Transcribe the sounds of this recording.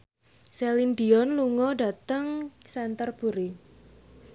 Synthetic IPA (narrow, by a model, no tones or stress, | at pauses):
selindiɔnluŋɔɖa̤t̪əŋsɛnt̪ərb̥uɾi